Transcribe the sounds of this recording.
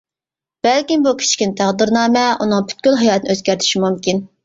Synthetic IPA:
b̥ælkʲimbukʲʰi̥t͡ʃʰkʲint̪ʰæʁd̪ɨɾnɑːmɛunɨŋpʰy̥t̪̚kʲylɦɑjɑːt̪ʰɨnɨøzɡʲæɾt̪ʰy̥ʃimumkʲin

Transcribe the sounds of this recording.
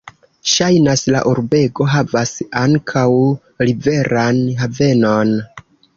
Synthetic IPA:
ʃajnasla̰ʔuɾbe̞ɡo̞ɦavasaŋkʰaw | live̞ɾʔanɦave̞no̞n

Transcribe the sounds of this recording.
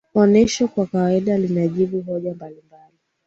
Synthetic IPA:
ɔnɛʃɔkwakawaiɗalinaʄiɓuɦɔʄambalimbali

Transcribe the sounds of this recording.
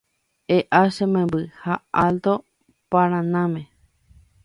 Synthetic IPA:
eʔaʃẽmẽmbɨhaʔalt̪o | paɾ̃ãnãmẽ

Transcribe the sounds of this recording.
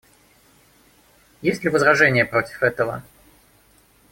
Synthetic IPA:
jesʲtʲlʲɪvəzɾɐʐɛnʲɪjəpɾo̞tʲɪ̥fɛt̪əvə̰

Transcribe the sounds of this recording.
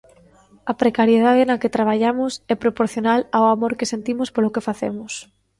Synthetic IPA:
ɐpɾekaɾjeð̞aðenaket̪ɾaβ̞aʎamʊsɛpɾopoɾθjonalaoamoɾkesent̪imʊspolʊkefaθḛmʊs

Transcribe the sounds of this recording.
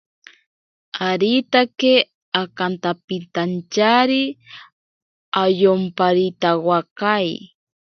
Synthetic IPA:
aɾit̪ake | akant̪apit̪ant͡ʃaɾi | ajompaɾit̪awakaj

